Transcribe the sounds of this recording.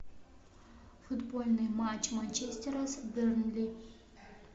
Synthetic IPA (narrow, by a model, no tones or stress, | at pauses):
fʊd̪bolʲnɨjmat͡ɕmanʲt͡ʃesʲt̪ʲeɾɐsbɨrnlʲi